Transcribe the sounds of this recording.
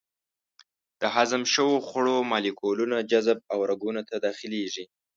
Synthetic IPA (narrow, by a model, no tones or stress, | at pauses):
d̪̥əɦazamʃəwoxəɽomɑlikʰolunad͡ʒazb̚awɾaɡunat̪ad̪ɑxileʒi